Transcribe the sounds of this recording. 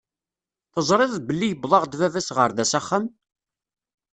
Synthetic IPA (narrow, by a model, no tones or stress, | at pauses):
θəzˤɾˤɪðˤðbəlːijəbðˤɑʁd̪vævæsʁəɾðæsæχːam